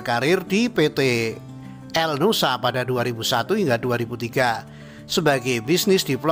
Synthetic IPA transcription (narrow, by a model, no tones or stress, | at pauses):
kaɾɪrdipet̪e | ʔɛlnusapadaduaɾibusat̪uhiŋɡaduaɾibut̪iɡa | səbaɡajbisnɪsd̥ipl